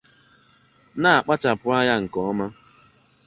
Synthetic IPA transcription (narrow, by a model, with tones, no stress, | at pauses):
na˦a˨k͡pa˦t͡ʃa˨pʊ˦a˦ja˦ŋ̩˨kɔ˨ɔ˦ma˦